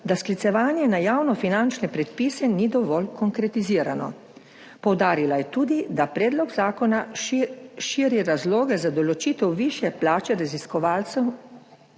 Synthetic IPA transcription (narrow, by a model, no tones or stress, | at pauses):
d̪asklit̪sɛʋaːnjɛnajaːwnɔfinant͡ʃnɛpɾɛt̪̚pisɛnid̪ɔʋɔlkɔŋkɾɛt̪iziːɾanɔ̰ | pɔwd̪aːɾilajɛt̪uːd̪id̪apɾɛːd̪lɔɡzaːkɔna | ʃiːɾiɾazloːɡɛzad̪ɔlɔt͡ʃiːt̪ɛwʋiʃjɛplaːt͡ʃɛɾaziskɔʋaːlt̪sɛw